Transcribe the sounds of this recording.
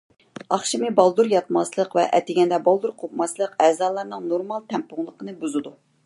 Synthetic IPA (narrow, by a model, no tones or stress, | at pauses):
ɑχʃimɨbɑlˠd̪uɾjɑt̪mɑslˠəqvɛ̰ʔɛt̪ɪɡʲɛnd̪ɛbɑlˠd̪uɾqʰopmɑslˠəqɛːzɑːlˠɑɾnɨŋnoɾmɑlˠt̪ʰɛmpʊŋlˠəqənɨbuzɨd̪u